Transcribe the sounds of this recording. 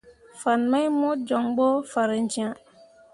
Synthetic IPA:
fa˨nma˦jmɔ˦d͡ʒɔ˨ŋɡ͡bo˦fa˨ɾə˨˦n̩˦d͡ʒĩ˦ã˦˨

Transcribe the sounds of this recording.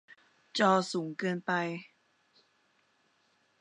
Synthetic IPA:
t͡ɕɔː˧suː˩˦ŋkɤː˧npa˧j

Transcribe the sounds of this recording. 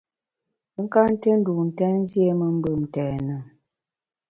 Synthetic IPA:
ə˦ŋ̩˦ka˦n̩˦te˦n̩˦du˨n̩˨tɛ˦n˦zje˦mə˦m̩˦bə˦˨m˨tɛː˨nə˨

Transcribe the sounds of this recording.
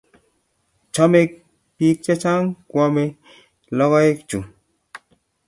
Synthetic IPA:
t͡ʃɔ˦me˦k̚ | piː˦k̚t͡ʃe˦t͡ʃa˦ŋkwɔ˧me˦ | lɔ˦ɣɔ˦e˦k̚t͡ʃu˨

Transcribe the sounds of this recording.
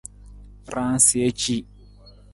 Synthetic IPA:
ɾã˦n˦sɪ˨e˦t͡ʃi˦

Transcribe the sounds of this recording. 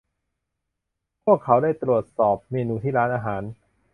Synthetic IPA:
pʰu˥˩əkʰːa˩˥wdaː˥˩jt̪ɾu˨˩ət̪̚sɔː˨˩p̚meː˧nuː˧t̪ʰiː˥˩ɾaː˦˥nʔaː˧ɦaː˩˦n

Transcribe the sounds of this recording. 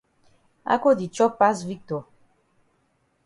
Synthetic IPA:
a̰˦ko˦di˨t͡ʃɔ˦pa˦s̬vi˦k̚to˨

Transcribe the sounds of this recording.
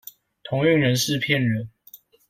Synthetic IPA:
t̪ʰʊ˧˦ŋy˥˨ŋɻə˨˧˦nʂɻ̩˥˨pʰjɛ˥˨nɻə˨˦n

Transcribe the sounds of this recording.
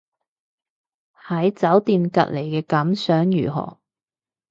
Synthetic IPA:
hɐ˨˥jt͡sɐ˨˥wt̪iː˧nkɐ̰˨t̚le˨˩jkɛː˧kɐ˨˥msœː˨˥ŋjy̰ː˨˩ɦɔ̰ː˨˩

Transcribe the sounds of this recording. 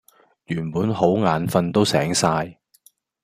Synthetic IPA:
jyː˨˩npuː˨˥nho˨˥wŋaː˨˥nfɐ˧nt̪o˥wsɛː˨˥ŋsaː˧j

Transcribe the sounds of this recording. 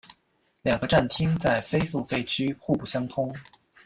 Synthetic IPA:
ljɑ˨˩ŋɡə˧˦ʈ͡ʂa˥˩nt̪ʰi˥ŋt͡sa˥˩ɪfe˥ɪfu˥˩fe˥ɪt͡ɕʰy˥xu˥˧pu˥˩ɕjɑ˥ŋt̪ʰʊ˥ŋ

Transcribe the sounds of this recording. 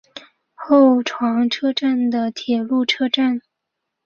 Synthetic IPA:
xo˥˩ʊʈ͡ʂʰwɑ˧˥ŋʈ͡ʂʰɤ˥ʈ͡ʂa˥˩nd̪ə˩t̪ʰjɛ˨˩lu˥˩ʈ͡ʂʰɤ˥ʈ͡ʂa˥˩n

